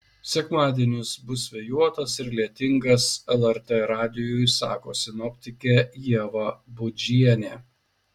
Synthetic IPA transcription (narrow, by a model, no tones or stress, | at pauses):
sʲɛkmɑːd̪ʲiɛnʲɪsbʊsʋʲɛjuɔt̪ɐsɪɾlʲiɛt̪ʲɪŋɡɐsɛlˠɛɾt̪eɾɑːd̪ʲɪjʊjsɑ̰ːkoːsʲɪnɔpʲt̪ʲɪkʲeːjiɛʋɐbʊd͡ʒʲiɛnʲeː